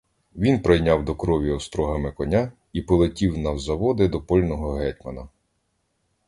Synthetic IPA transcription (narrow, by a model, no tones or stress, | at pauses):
ʋʲinpɾejnʲawd̪ɔkɾɔʋʲiɔst̪ɾɔɦɐmɪkɔnʲa | ipɔlˠetʲiwnɐwzɐʋɔd̪ɪd̪ɔpɔlʲnɔɦɔɦɛtʲmɐnɐ